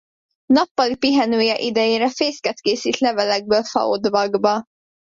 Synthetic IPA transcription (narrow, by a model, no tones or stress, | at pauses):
nɒpːɒlipiɦɛnøːjɛʔid̪ɛjeːɾɛfeːskɛt̪keːsiːt̪lɛvɛlɛɡ̚bøːlfɒ̰od̪vɒɡbɒ